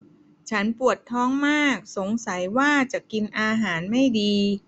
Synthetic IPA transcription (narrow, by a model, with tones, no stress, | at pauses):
t͡ɕʰa˦˥npu˨˩ət̪ʰːɔː˦˥ŋmaː˥˩k̚so˩˦ŋsa˩˦jwaː˥˩t͡ɕa˨˩ki˧nʔaː˧ɦaː˩˦nma˥˩jdiː˧